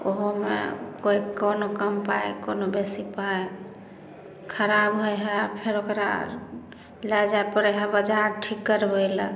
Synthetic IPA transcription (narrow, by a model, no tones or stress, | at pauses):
o̰ɦomḛkoikonokəmpaekonobesipae | kʰəɾabɦojɦɛpʰeɾokɾa̰ | lad͡ʒaepəɾeɦabəd͡ʒaɾʈʰikːəɾbəjlə̰